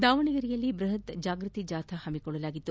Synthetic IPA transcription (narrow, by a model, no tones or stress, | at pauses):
d̪aːʋɐɳiɡɐɾijɐlːibɾɐɦɐt̪d͡ʒaːɡɾɨt̪id͡ʒaːt̪ʰɐhɐmikɔɭːɐlaːɡit̪ːu